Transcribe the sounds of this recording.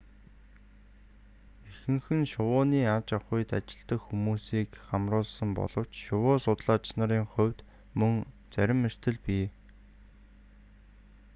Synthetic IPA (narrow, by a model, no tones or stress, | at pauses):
exɘ̆ŋxɘ̆nʃʊwʊːniːat͡ɕaχʊjt̪a̰t͡ɕɪ̆ɮt̪ə̆kxumuːsiːkχamrʊːɮsə̆mpɔ̰ɮɞ̆w̥t͡ɕʃʊwʊːsʊt̪ɮaːt͡ɕnăɾiːŋχʊ̟wʲt̪ | mɵŋ | t͡sæɾʲɪ̆mːer̥t̪ʰɘ̆ɮpiː